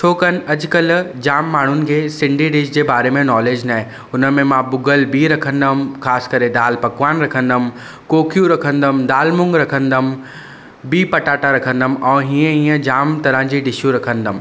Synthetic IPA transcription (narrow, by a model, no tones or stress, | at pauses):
t͡ɕʰoːkənɪ̆ɐd͡ʑkɐld͡ʑaːmːaːɳ̤ʊnɪ̆kʰeːsɪ̃ɳɖʱiɖɪʃd͡ʑeːbaːɾemẽnɔːleːd͡ʑnaːɦẽ | ʊnə̆mẽmãbʊɡəlbiɾɐkʰə̃nd̪əmxaːskɐɾed̪aːlpɐkʋaːnɾɐkʰə̃nd̪əm | koːkʰjũɾɐkʰə̃nd̪əmd̪aːlmʊ̃ŋɡɾɐkʰə̃nd̪əm | biːpɐʈaːʈaɾɐkʰə̃nd̪əmɛ̃ːɦĩːə̃ĩːə̃d͡ʑaːmt̪ɐɾə̃d͡ʑiːɖɪʃjũɾɐkʰə̃nd̪əm